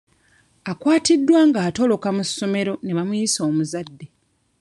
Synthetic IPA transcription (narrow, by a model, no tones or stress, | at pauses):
akwaːtidːwaːŋɡaːto̞lo̞kamusːo̞me̞ɾo̞ne̞βamujiso̞ːmuzadːe̞